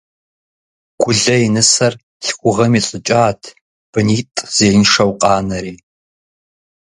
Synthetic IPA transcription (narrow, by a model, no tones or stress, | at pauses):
ɡ̥ʷʊɮɐinɨsɐr | ɬkʷʼʊʁɐmiɬʼɨt͡ʃʼaːtʰ | b̥ɨniːtʼz̥eːjnʂɐwqʼɑːnɐɾiː